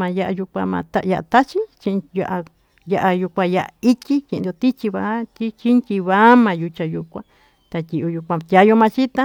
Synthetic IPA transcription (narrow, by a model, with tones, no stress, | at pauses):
mã˧ja˧ʔa˧ju˧kʷã˧mã̰˧t̪a˦˧ja˧ʔa̰˧t̪a˦t͡ʃi˦t͡ʃĩ˧ja˧ʔa˧ | ja˧ʔa˧ju˧kʷã˧ja˧ʔa˧i˦tʲi˦kẽ˧˨n˨˧d̪o˧t̪i˦t͡ʃi˧βa˧˦t̪ʲi˦t͡ʃi˦ntʲi˧βa˦mã˧ju˧t͡ʃa˧ju˧kʷã̰˧ | t̪a˧tʲi˧ʔo˧ju˧kʷã˧t̪ʲja˨˧jo˧mã˧t͡ʃi˦t̪ã˦